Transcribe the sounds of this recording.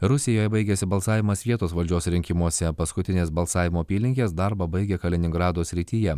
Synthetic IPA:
ɾʊsʲɪjoːjɛbɐɪɡʲɛsʲɪbɐlˠsɑːʋʲɪmɐsʋʲiɛt̪oːsʋɐlʲd͡ʒʲoːsɾʲɪŋʲkʲɪmuɔsʲɛpɐskʊt̪ʲɪnʲeːsbɐlˠsɑːʋʲɪmoːpʲiːlʲɪŋʲkʲeːsd̪ɑɾbɐbɐɪɡʲɛkɐlʲɛnʲɪŋɡɾɑːd̪oːsʲɾʲɪt̪ʲijɛ

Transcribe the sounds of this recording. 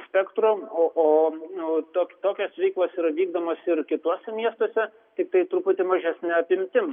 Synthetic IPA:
sʲpʲɛkt̪ɾoːoːʔoː | t̪oːkʲt̪oːkʲoːsʋʲɛɪklˠɐsiːɾɐʋʲiːɡd̪oːmoːsɪrkʲɪt̪uɔsʲɛmʲiɛst̪oɔsʲɛ | t̪ʲɪk̚t̪ɐɪt̪ɾʊpʊt̪ʲɪmɐʒʲɛsʲnʲɛɐpʲɪmʲt̪ʲɪm

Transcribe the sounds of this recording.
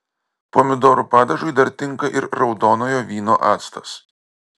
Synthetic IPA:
poːmʲɪd̪oːɾupɑːd̪ɐʒʊɪd̪ɐɾt̪ʲɪŋˑkɐʔɪɾɾɒʊd̪oːnoːjoːʋʲiːnoːʔɑːt̪st̪ɐs

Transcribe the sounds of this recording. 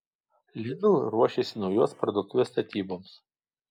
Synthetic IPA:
lʲɪnʊlˠɾuɔʃʲesʲɪnɔʊjoːspɾɔd̪ʊk̚t̪uʋʲeːst̪ɐt̪ʲiːboːms

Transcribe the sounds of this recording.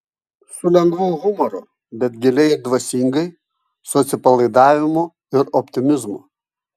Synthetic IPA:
sʊlʲɛŋɡʋuːɣʊmɔɾʊ | bʲɛt̪̚ɡʲɪlʲɛɪd̪ʋɐsʲiŋɡɐɪ | sʊɐt̪sʲɪpɐlˠɐɪd̪ɑːʋʲɪmo | ɪɾɔpʲt̪ʲɪmʲɪzmʊ̰

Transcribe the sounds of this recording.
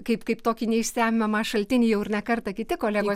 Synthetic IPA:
kɐɪpkɐɪpt̪oːkʲinʲɛɪʃʲsʲæːmʲɪmɐmɑːʃɐlʲt̪ʲɪnʲɪːjɛʊɪɾnʲɛkɐrt̪ɐkʲɪt̪ʲɪkoːlʲæːɡoː

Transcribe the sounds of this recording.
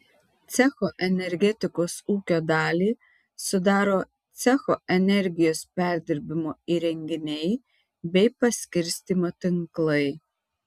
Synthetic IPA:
t̪sʲɛxoʔɛnʲɛɾʲɡʲɛt̪ʲɪkoːsuːkʲoːd̪ɑːlʲiː | sʊd̪ɑːɾoː | t̪sʲɛxoʔɛnʲɛɾʲɡʲɪjoːspʲæˑɾʲd̪ʲɪɾʲbʲɪmoːiːɾʲɛŋʲɡʲɪnʲɛɪ | bʲɛɪpɐsʲkʲɪɾʲsʲt̪ʲiːmoːt̪ʲɪŋklˠɐɪ

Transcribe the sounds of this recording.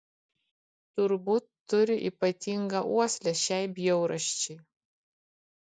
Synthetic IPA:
t̪ʊɾbuːt̪ːʊɾʲɪʔḭːpɐt̪ʲiŋɡɐʔuɔsʲlʲɛʃʲæɪbʲjɛʊɾɐʃʲt͡ʃʲɪː

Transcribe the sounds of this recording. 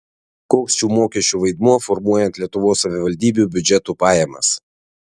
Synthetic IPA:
koːksʃʲuːmoːkʲɛʃʲt͡ʃʲuːʋɐɪd̪muɔfɔɾmuɔjɛnt̪lʲiɛt̪ʊʋoːsːɐʋʲɪʋɐlʲd̪ʲiːbʲuˑbʲʊd͡ʒʲɛt̪uːpɑːjɛmɐ̰s

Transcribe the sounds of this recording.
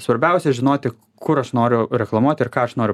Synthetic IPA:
sʋɐɾʲbʲɛʊsʲɛʒʲɪnoːt̪ʲɪ | kʊɾɐʃnoːɾʲʊɾʲɛklˠɐmuɔt̪ʲɪrkɑːɐʃnoːɾʲʊ

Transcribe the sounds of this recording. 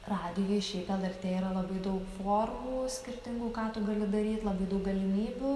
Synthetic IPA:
rɑːd̪ʲɪjoːjɪʃʲɛɪpɛlˠɛrʲt̪ʲeːiːɾɐlˠɐbɐɪd̪ɐʊkfoːrmuːsʲkʲɪrʲt̪ʲɪŋɡuːkɑːt̪ʊɡɐlʲɪd̪ɐɾʲiːt̪ʲlˠɐbɐɪd̪ɐʊk̚ɡɐlʲɪmʲiːbʲuː

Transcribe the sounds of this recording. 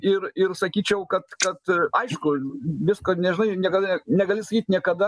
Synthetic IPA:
ɪɾɪrsɐkʲiːt͡ʃʲɛʊkɐt̪kɐt̪ɐɪʃkʊʋʲɪskoːnʲɛʒʲɪnɐɪnʲiɛkɐd̪ɐnʲɛɡɐlʲɪsɐkʲiːt̪ʲnʲiɛkɐd̪ɐ

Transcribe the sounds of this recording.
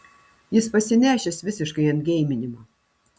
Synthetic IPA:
jɪspɐsʲɪnʲæːʃʲesʋʲɪsʲɪʃkɐɪɐnʲɡʲɛɪmʲɪnʲɪmɐ

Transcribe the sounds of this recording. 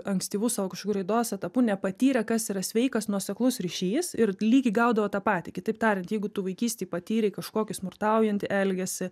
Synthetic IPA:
ɐŋksʲt̪ʲiːʋʊsɑokɐʃkokuɾʲɛɪd̪oːsɛt̪ɐpuːnʲɛpɐt̪ʲiːɾʲɛkɐsiːɾɐsʲʋʲɛɪkɐsnuɔsʲɛklˠʊsɾʲiʃʲiːsɪɾlʲiːɡʲɪɪɡɐʊd̪ɐʋɐt̪ɑːpɑːt̪ʲɪkʲɪt̪ɐɪp̚t̪ɑːɾʲɪnt̪jɛɪɡʊt̪uːʋɐɪkʲiːsʲt̪ʲɛːɪpɐt̪ʲiːɾʲɛɪkɐʃkoːkʲɪsmʊrt̪ɐʊjɛnʲt̪ʲɪʔɛlʲɡʲɛsʲɪ

